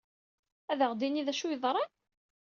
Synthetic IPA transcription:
æðəʁd̪iniðæʃujəðˤɾˤɑn

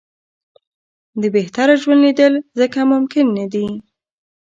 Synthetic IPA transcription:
d̪əbeht̪aɾaʒwand̪lid̪əlzəkamʊmkɪnːad̪i

